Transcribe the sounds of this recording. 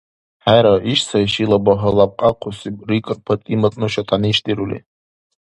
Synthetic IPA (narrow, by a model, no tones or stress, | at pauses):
ħajɾaiʃsʰaiʃilabaɦəlap̚qʼaqʷʰʊsirikʼɨrpʰatʼimat͡sʼnɨʃatʰaniʃdiɾulḛ